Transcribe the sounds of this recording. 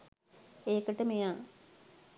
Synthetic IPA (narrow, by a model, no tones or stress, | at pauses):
eːkəʈəmejaː